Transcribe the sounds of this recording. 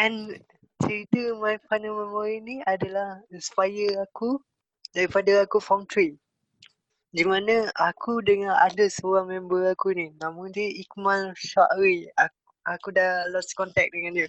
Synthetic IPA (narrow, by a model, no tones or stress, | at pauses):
ʔɛn | t͡ʃəɾit̪əmajfanəmɛmɔɾiniadalahnsə̥pajəaku | daɾipadaakufaŋt̪ɾi | dimanãakudəŋãnadəsəoɾaŋmɛmbəakuninãmʊŋdəʔikmãlʃaʔɾia | akudalɔskɔnt̪ɛk̚dəŋãndiə